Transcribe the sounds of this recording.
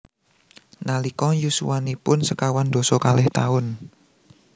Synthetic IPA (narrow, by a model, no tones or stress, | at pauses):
nalikɔjusṵwanipʊnsəkawand̪̥ɔ̤sɔkalɛht̪aʊn